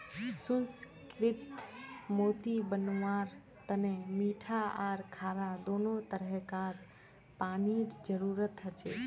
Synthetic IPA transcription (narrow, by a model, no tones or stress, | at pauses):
sunskɾɪt̪mot̪ibənwaɾ | t̪ənemiʈʰaaːɾkʰaːɾad̪onot̪əɾəɦkaɾ | paniɾd͡ʒəɾuɾət̪ɦət͡ʃe